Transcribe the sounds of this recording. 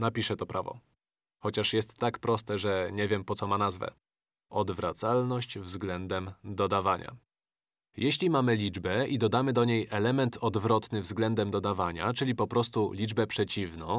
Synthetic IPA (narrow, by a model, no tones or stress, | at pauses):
napʲiʂɛt̪ɔpɾʔavɔ̰ | xɔt͡ɕaʂjɛst̪ːakpɾɔst̪ɛʐɛɲɛvʲjɛmpɔt̪sɔmanazvɛ̰ | ɔd̪vɾat̪salnɔɕt͡ɕvzɡlɛnd̪ɛmd̪ɔd̪avaɲʔa̰ | jeɕlʲimamɘlʲid͡ʐbɛid̪ɔd̪amɘd̪ɔɲejʔɛlɛmɛnt̪ʰɔd̪vɾɔt̪nɘvzɡlɛnd̪ɛmd̪ɔd̪avaɲa̰t͡ʂɘlʲipɔpɾɔst̪ulʲid͡ʐbɛpʂɛt͡ɕivnɔ̰̃